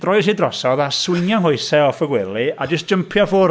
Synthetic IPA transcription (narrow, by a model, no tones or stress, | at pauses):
d̥rɔjsidrɔsɔðaswɪnjɔŋɦʊɨsɛɔfəɡwɪlˠiad͡ʒəstd͡ʒ̥əmpʰjɔfʊː